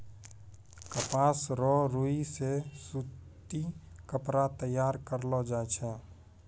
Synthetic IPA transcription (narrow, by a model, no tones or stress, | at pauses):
kəpaːsɾɔɾoisesut̪ikəpɾat̪əjːaːɾkəɾlɔd͡ʒaːt͡ʃʰɛː